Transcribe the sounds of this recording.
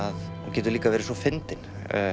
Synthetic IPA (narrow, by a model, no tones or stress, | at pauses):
að | cɛːt̪ʏɾliːkavɛːɾɪsɔfɪnt̪ɪn